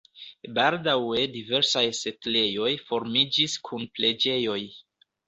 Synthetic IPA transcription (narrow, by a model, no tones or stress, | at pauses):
baldawe̞dive̞ɾsajse̞tle̞jo̞jfo̞ɾmid͡ʒiskʰunple̞d͡ʒe̞jo̞j